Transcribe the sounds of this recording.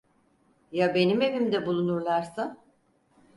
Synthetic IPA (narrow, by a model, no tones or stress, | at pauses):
jabe̞nime̞vimd̪ɛbulˠunuɾlˠaɾsa